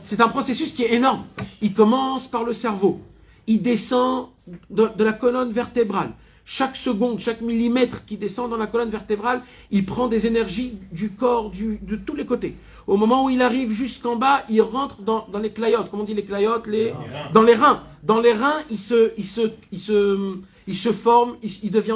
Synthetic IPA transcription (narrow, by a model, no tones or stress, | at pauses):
sɛt̪ɛ̃pχɔsesyskʲiɛenɔʁmilkɔmɑ̃spaʁləsɛʁvo | ild̪esɑ̃ | d̪əd̪əlakɔlɔnvɛʁt̪ebʁal | ʃaksəɡɔ̃d̪ʃakmilimɛt̪χkʲid̪esɑ̃d̪ɑ̃lakɔlɔnvɛʁt̪ebʁal | ilpχɑ̃d̪ezenɛʁʒid̪ykɔʁd̪yd̪ət̪ulekot̪e | omɔmɑ̃uilaʁivʒyskɑ̃bailʁɑ̃t̪χd̪ɑ̃d̪ɑ̃leklajɔt̪̚kɔmɔ̃d̪ileklajɔt̪led̪ɑ̃leʁɛ̃d̪ɑ̃leʁɛ̃ilsəilsəilsəm | ilsəfɔʁmiild̪əvjɛ̃